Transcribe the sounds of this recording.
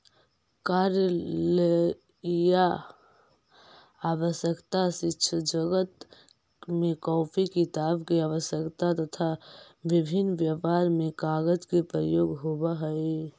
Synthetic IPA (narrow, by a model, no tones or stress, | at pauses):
kaɾəle | ja | aʋəsjəkt̪asɪtːt͡ʃʰəd͡ʒəɡət̪ | mekɔːpʰikit̪aːbkeaʋəsjəkt̪at̪ət̪ʰa | ʋibʱinːʋjəʋaɾmekaɡəd͡ʒkepɾəjoːɡɦobaɦəj